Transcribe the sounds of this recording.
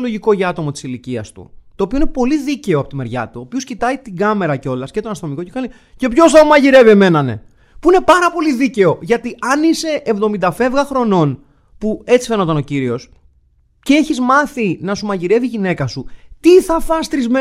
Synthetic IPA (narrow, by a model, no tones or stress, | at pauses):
lo̞ʝiko̞ʝɐt̪o̞mot̪i̥siliciɐ̰st̪ṵt̪oːpio̞inepo̞liðice̞oɐpo̞t̪ime̞ɾʝɐ̰t̪uoːpioscit̪ɐit̪iɡɐme̞ɾɐceo̞lɐsce̞t̪o̞nɐst̪no̞miko̞cekɐli | ce̞pço̞sθɐumɐʝiɾe̞vieme̞nɐne̞̰ | puine̞pɐɾɐpo̞liðice̞o̞ʝɐt̪iɐnise̞ʔːvðo̞mind̪ɐfe̞vɣɐxɾo̞no̞n | pue̞t͡si̥fe̞not̪ɐno̞ciɾio̞s | ceeçizmɐθinɐsumɐʝiɾe̞viʝine̞kɐsut̪iθɐfɐst̪ɾizme